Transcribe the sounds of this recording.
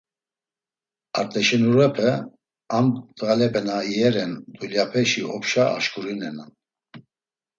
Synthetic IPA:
aɾt̪ʼɛʃɛnuɾɛpʰɛ | ant̪ʼɣalɛpʰɛnaiɛɾɛnd̪uljapʰɛʃiɔpʃaa̰ʃkʼuɾinɛnan

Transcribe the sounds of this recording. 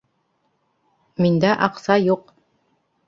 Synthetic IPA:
mind̪æʔɑqsɑjuq

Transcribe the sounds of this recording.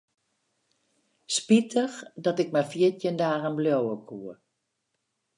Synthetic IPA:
spitʰəxdɔtɪk̚mɛjfiətjəndaːɣənbljowəkʰuə

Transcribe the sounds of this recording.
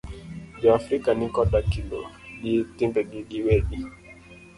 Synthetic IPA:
d͡ʒɔafɾikanikɔɗakilɔ̰ɡitimbɛɡiɡiwɛɗi

